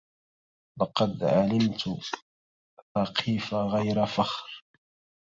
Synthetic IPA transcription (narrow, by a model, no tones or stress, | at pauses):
lɑqɑd̪ʕalɪmt̪ | θaqʰiːfaɣajɾafaxɾ